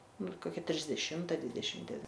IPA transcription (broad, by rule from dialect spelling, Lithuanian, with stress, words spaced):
ˈnʊ ɪr koːˈkʲɛ tʲrʲɪzʲdʲɛˈʃʲɪmtɐ ˈdʲʋʲɪdʲɛʃʲɪm dʲɛˈʋʲɪn